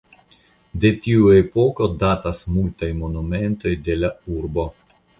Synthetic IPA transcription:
de̞tiuepo̞ko̞datasmultajmo̞nume̞nto̞jde̞lauɾbo̞

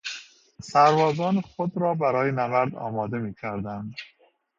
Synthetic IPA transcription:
sæɾvɒːzɒːnxod̪ɾɒːbæɾɒːjenævæɾd̪ɒ̰ːmɒːd̪e̞miːcʰæɾd̪ænd̪

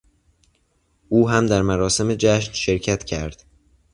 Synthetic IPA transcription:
ʔuːɦæmd̪æɾmæɾɒːse̞med͡ʒæʃnʃe̞ɾcʰæt̪cʰæɾd̪̥

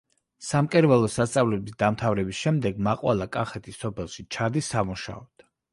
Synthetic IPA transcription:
samkʼɛɾvɛlˠɔsast̪sʼavlɛbisd̪amt̪ʰavɾɛbisʃɛmd̪ɛɡmaqʼwa̰lˠakʼaχɛt̪ʰisɔpʰɛlˠʃit͡ʃʰad̪isːamuʃa̰ɔd̪̥

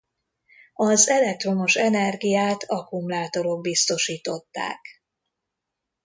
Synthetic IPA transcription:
ɒzɛlɛk̚t̪ro̞no̞ʃɛnɛrɡijaːt̪ʰɒkumlaːt̪o̞ɾo̞ɡ̚bist̪o̞ʃiːt̪o̞t̪ːa̰ːk

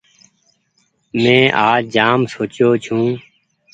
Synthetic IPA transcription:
mɛ̃ːʔaːd͡ʒaːmsoːt͡ʃjoːt͡ʃʰũː

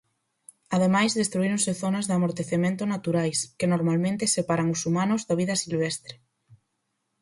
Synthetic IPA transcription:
aðemajzðest̪ɾuiɾoŋseθonazðamoɾt̪eθemẽnt̪ʊnat̪uɾajskenoɾmalmẽnt̪esepaɾaŋʊsumanʊzðaβiðɐsilβ̞ɛst̪ɾe

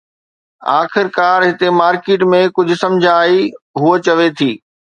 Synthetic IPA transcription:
aːxɪɾkaːɾɦɪt̪emaːɾkeːʈmẽkʊd͡ʑʱʊ̆sɐ̃md͡ʑʱãːiɦuət͡ɕɐʋet̪ʰiː

